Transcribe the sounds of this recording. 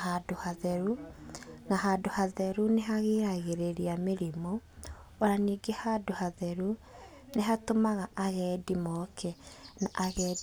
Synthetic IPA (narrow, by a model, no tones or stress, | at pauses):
hadohaðɛɾu | naɦaːdohaðɛɾuneɦaɣeɾaɣeɾeɾiameɾimo | oɾaniːɡehaːdohaðɛɾu | neɦatomaɣaʔaɣɛːdimɔkʰɛnaʔaɣɛ